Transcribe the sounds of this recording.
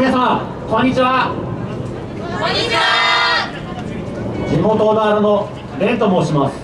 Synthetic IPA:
esã | kõ̞ɲ̟ːit͡ɕiβa | d͡ʑimo̞t̪o̞naːɾɯno | ɾẽ̞nt̪omo̞ːɕimasɨ̥

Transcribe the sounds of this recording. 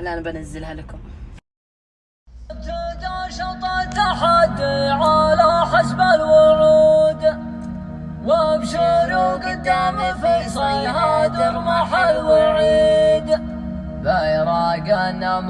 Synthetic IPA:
nʔanabanazːɪlhalakʊm | t̪ʊd̪aʃɑt̪ˤɑt̪aħad̪ʕalaħasbalwʊʕuːd̪ | wabʃʊɾuɡad̪aːmafisˤiɦad̪ʊmaħalwaʕiːd̪ | bajɾˤɑɡanam

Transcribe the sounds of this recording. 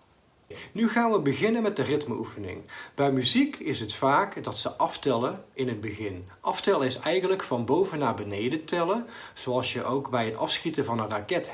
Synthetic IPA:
nyɣaːnʋəbəɣɪnənmɛt̚dərɪtməufənɪ̰ŋb̥ɛjmyzikɪsətfaːkdɑtsəʔɑftɛləɪnɦəd̚bəɣɪnʔɑftɛləɪsɛjχənləkfɑnbowvənaːbənejdətɛləz̥oɑlˠsjəʔowkbɛjɦətɑfsχitəvɑnənrakɛt

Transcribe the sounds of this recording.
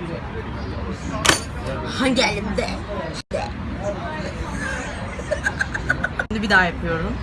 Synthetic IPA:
haɲɟælʲimd̪ɛ | d̪ɛ̰ | nd̪ibid̪aːjapʰɯjo̞ɾum

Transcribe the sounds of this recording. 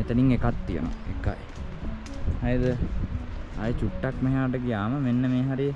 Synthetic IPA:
et̪əniŋekat̪ːijə̰no̰ekːa̰j | hajd̪ə | ajt͡ɕuʈːakmeɦaːʈ̬əɡijaːməmenːəmeːɦaɾi

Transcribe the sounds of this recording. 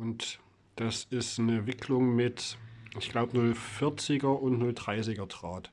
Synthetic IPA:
ʔʊnt | d̥asɪstnəvɪkʰlʊŋmɪtɪçɡ̥laʊbnʊlfɪɐt͡sɪɡɐʊntnʊldʁaɪsɪɡɐd̥ʁ̥aːt

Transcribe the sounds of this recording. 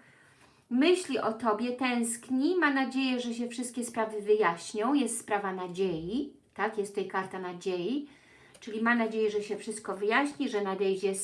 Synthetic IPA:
mɘɕlʲiʔɔt̪ɔbʲjɛt̪ɛ̃w̃skɲimanad͡ʑejɛʐɛɕ̬ɛfʂɘst̪kʲɛspɾavɘvɘjaɕɲɔ̃w̃jɛst̪spɾavanad͡ʑeji | t̪akjɛst̪ːɛjkaɾt̪anad͡ʑeji | t͡ʂɘlʲimamnad͡ʑejɛʐɛɕɛfʂɘst̪̚kɔvɘjaɕɲiʐɛnad̪ɛjd͡ʑɛs

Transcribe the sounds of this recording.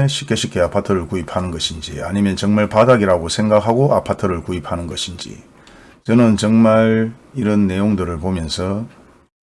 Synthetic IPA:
ɕʰi̥k͈e̞ɕʰik͈e̞apʰatʰɯɾɯɭkuipʰanɯnɡʌɕʰind͡ʑḭa̰ɲimjʌnt͡ɕʌŋmaɭpadaɡiɾaɡosʰe̞ŋɡakhaɡoʔapʰatʰɯɾɯɭkuipʰhanɯnɡʌɕʰind͡ʑḭ | t͡ɕʌnɯnt͡ɕʌŋmaɾiɾʌnːe̞joŋdɯɾɯɭpomjʌnsʰʌ

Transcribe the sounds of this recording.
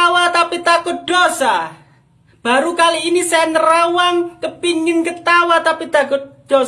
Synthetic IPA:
awat̪apit̪akʊt̪̚d̪̥osa | b̥a̤ɾukaliːnisajanəɾawaŋkəpiŋɪnkət̪awat̪apit̪akʊt̪̚d̥o

